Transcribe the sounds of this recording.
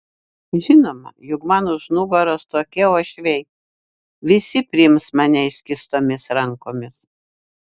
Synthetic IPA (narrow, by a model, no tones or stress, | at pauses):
ʒʲɪnoːmɐ̰jʊkmɑːnoʒnʊɡoɾoːst̪oːkʲɛoːʃʲʋʲɛɪ | ʋʲɪsʲɪpʲɾʲɪɪmsmɑnʲɛɪʃʲkʲɪst̪oːmʲɪsɾɐŋkoːmʲɪs